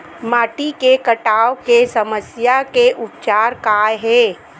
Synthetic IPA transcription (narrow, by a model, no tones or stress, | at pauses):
maːʈikekəʈaːwokesəməsjakeʔʊp̚t͡ʃaːɾkaːjɦɛ̃ː